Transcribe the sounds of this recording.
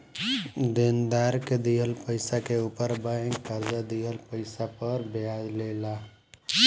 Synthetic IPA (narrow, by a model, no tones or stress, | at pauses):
d̪ɪnd̪aːɾked̪iɦəlpəɪsakeupəɾbəɪ̃ŋɡkəɾzad̪iɦəlpəɪsapəɾbjazlela